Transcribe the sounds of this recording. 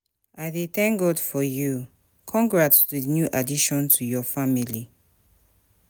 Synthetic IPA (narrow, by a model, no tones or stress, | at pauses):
aɪdeθɛ̃ŋk̚ɡɔdfɔju | kʰɔ̃ŋɡɹatðinjuʔadiʃɔ̃ntʰujɔfamili